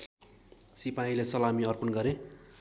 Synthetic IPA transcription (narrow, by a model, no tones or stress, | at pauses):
sipailesʌlamiʌrpʌnɡʌɾe